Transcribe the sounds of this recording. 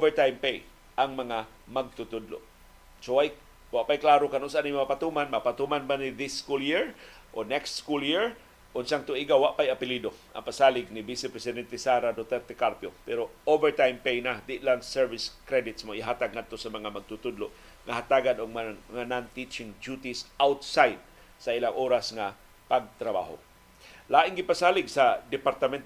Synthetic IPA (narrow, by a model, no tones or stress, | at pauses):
ovɛɹt̪ajmpej | ʔaŋmɐŋa | maɡ̚t̪ʊt̪ʊd̪lo̰ʔ | sowaj | waʔpajklaːɾokanʊnsanimapat̪umanmapat̪umanbanɪðɪskuljiɹ | ʔonɛkst̪skuljiɹ | ʔʊnsaŋt̪ʊʔiɡawaʔpajapɪlid̪oa̰ŋpasaːlɪɡ̚nɪbisɛpɾɛsɪd̪ɛnt̪ɛsaɾad̪ot̪ɛɾt̪ɛkaɾpjopɛɾoʔovɛɹt̪ajmpejnad̪ɪʔlaŋsɛɹvɪskɾɛd̪ɪt̪smoɪɦaːt̪aɡ̚ŋad̪̚t̪osamɐŋamaɡ̚t̪ʊt̪ʊd̪loʔ | ŋaɦat̪aɡanoɡmaŋanant̪it͡ʃɪŋd͡ʒut̪isʔawt̪sajd̪̚ | sailaŋʔoːɾasŋa | paɡ̚t̪ɾaba̰ɦo̰ | laːʔɪŋɡɪpasaːlɪɡsad̪ɛpaɾt̪amɛnt̪